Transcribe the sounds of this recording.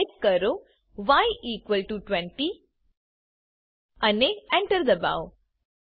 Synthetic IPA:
k̚kəɾo | ʋajʔiːkʋəlʈuʈʋɛ̃ɳʈi | ɐneɛ̃ɳʈəɾd̪əba̰w

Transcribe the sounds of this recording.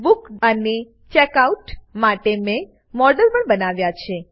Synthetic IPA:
bukəne | t͡ʃɛkauʈmaʈemẽ | mɔɾɖəlpəɳbənaʋjat͡ʃʰe

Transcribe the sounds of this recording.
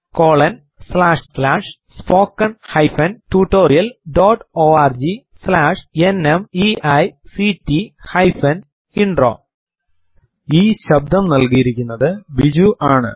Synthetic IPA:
koːɭɐn | slaːʂslaːʂ | spo̞ːkːɐɳhɐjfɐntuːʈːo̞ːrijɐlɖoːʈːoːaːrd͡ʑislaːʂenemiʔɐjsitihɐjfɐn | iɳɖro̞̰ː | iːɕɐb̚d̪ʱɐmnɐlkijiɾikʲːunːɐðɨbid͡ʑuʔaːɳɨ̰

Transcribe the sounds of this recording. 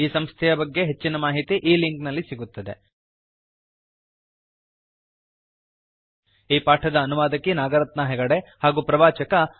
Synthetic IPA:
iːsɐmst̪ʰɛjɐbɐɡːe̞ɦet͡ʃːinɐmaːɦit̪iʔiːliŋknɐlːisiɡut̪ːɐd̪e | iːpaːʈʰɐd̪ɐːnuʋaːd̪ɐkːinaːɡɐɾɐt̪nɐɦɛɡɐɽehaːɡupɾɐʋaːt͡ʃɐkɐ

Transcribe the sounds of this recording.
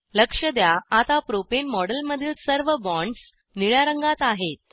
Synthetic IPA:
ləkʂəd̪jaat̪apɾopenmɔɽəlməd̪ʱiːlsəɾʋəbɔ̃ɳɖs | niɭjaɾəŋɡat̪aɦet̪̚

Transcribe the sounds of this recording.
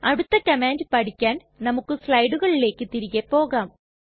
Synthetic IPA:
ɐɽut̪ːɐkɐmaːndɨpɐʈʰikʲːaːn | nɐmukːɨslɐjɽuɣɐɭile̞ːkːɨt̪iɾiɣepːo̞ːɣaːm

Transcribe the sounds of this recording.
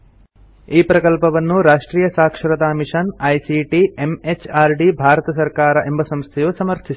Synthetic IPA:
iːpɾɐkɐlpɐʋɐnːuɾaːʂʈɾiːjɐsaːkʂɾɐt̪aːmiʂɐnɐjsiːʈiemet͡ʃaːɾɖibʱaːɾɐt̪ɐsɐɾkaːɾɐʔembɐsɐmst̪ʰɛjusɐmɐɾt̪ʰis

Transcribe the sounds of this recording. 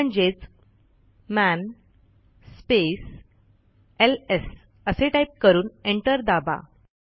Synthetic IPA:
əɳd͡ʑet͡s | mæn | spes | eles | əseʈaip̚kəɾuːneɳʈəɾd̪aba̰

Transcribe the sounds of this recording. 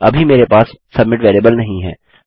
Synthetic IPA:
ɐ̰bʱimeːɾepaːsːɐbmɪʈʋeːɾiːbəlnɐɦĩɦɛ̰ː

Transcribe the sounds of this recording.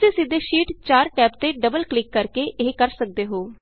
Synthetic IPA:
eːsɪd̪eːʃiːʈt͡ʃaːɾʈɛːp̚t̪eːɖəbəlklɪkːəɾkeːʔeɦkəɾsək̚d̪eːɦoː

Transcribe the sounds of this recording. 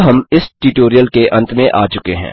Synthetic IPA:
ɦɐmɪsʈuːʈoːɾijəlkeʔɐ̃nt̪mẽʔa̰ːt͡ʃʊkeɦɛ̰̃ː

